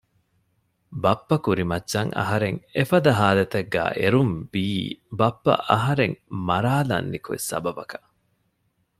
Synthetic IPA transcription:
bɐpːɐkuɾimɐtːʃɐŋʔɐ̰ɦɐɾeŋefɐd̪ɐɦaːlɐt̪ɐɡːæ̰ːʔeɾumbiːbɐpːɐ̰ʔɐɦɐɾeŋmɐɾaːlɐ̰nːikuḛsɐ̰bɐbɐkɐ̥

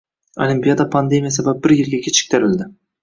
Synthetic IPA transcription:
a̰lʲimpijad̪apʰand̪emʲijas̬abæp̚bɪɾjeɾɡʲɛkʲʰet͡ʃʰɪ̥k̚ʲt̪ʰæɾɪld̪ɪ

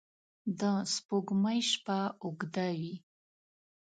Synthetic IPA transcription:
d̪əspoɡmajʃpaʊɡd̪awi

